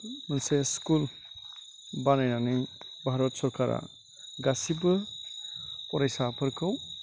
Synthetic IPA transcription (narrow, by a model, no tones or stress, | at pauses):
mənseskul | banajnanijbʱaɾɔtsɔɾkʰaɾa̰ | ɡasibɯ | ɔɾajsapʰɯɾkʰɯw